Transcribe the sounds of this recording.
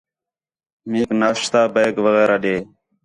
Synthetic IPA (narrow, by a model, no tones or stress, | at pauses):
miːknaːʃt̪aːbəːkʋəɣeːɾaːɗeː